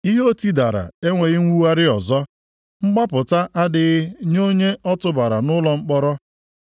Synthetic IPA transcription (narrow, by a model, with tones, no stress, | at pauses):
i˦ɦo˦ti˦da˨ɾa̰˨e˦ŋʷe˨ɣɪ˦ŋʷu˦wa˦ɾɪ˦ɔ˨zɔ˦ | ŋ͡m̩˦ɡ͡ba˦pʊ˨ta˦ʔa˦dɪ˨ɣɪ˦ɲo˦ɲe˦ɔ˦tʊ˨ba˨ɾa̰˨nʊ˦lɔ˦ŋ͡m̩˦k͡pɔ˦ɾɔ˦